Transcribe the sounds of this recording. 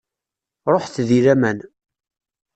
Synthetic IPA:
ɾˤoħθðiɾæmæn

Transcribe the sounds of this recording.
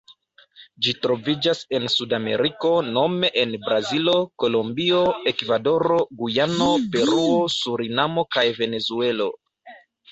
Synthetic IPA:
d͡ʒitɾo̞vid͡ʒase̞nsudame̞̰ɾiko̞no̞me̞ʔenbɾazilo̞ko̞lombio̞e̞kvado̞ɾo̞ɡujano̞pe̞ɾuo̞suɾinamo̞kajve̞ne̞zue̞lo̞̰

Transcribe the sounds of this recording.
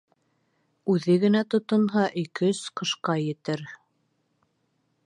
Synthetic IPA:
ʉðɘɡɘ̆næt̪ŏt̪ɤ̆nɦɑʔikɘsqɤ̆ʃqɑjɘ̆t̪ɘɾ

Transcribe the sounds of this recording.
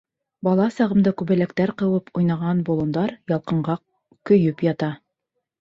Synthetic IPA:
bɑlˠɑsɑʁɤ̆md̪ɑkʉβæ̆lækt̪æɾqɤ̆wɤpʰujnɑʁɑnbŏlˠŏnd̪ɑɾjɑlˠqɤ̆ɴɢɑ | kɵ̆jɵpjɑt̪ɑ

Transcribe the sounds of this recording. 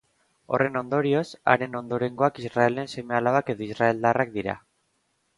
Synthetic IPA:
o̞̰re̞no̞nd̪o̞ɾio̞sa̰ɾe̞no̞nd̪o̞ɾe̞ŋɡo̞akizrae̞le̞nse̞me̞alaβake̞ðoizrae̞ld̪arak̚d̪iɾa̰

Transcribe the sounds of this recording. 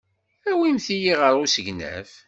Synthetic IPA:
æwimθijiʁəɾˤusəɡnæ̰f

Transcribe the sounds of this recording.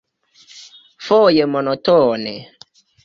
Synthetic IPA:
fɔːjemɔnɔtɔnɛ̰

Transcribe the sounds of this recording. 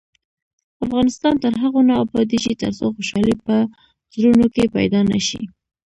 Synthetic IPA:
afɣɑnɪst̪ɑnt̪əɾɦaɣonɑbɑd̪iʃit̪ə̰ɾsoxoʃɑlipə | zɾunokepa̰jd̪ɑna̰ʃḭ

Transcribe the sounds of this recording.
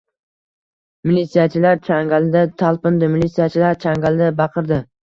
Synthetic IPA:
mɪlit̪sijat͡ʃʰɪlaɾt͡ʃʰaŋɡald̪at̪ʰalˠpɪnd̪ɪmɪlʲit̪sijat͡ʃʰɪlaɾt͡ʃʰaŋɡalˠd̪abɑqʰɨɾd̪ɪ

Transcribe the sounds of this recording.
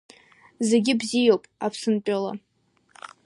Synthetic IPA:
ze̞ɡʲɪbzijowpʼapʰsɨnt͡pʷʼala̰

